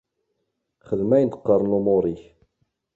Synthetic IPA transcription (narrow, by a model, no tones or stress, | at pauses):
χəðmæjənt̪əqːəɾˤnlumʊɾˤiç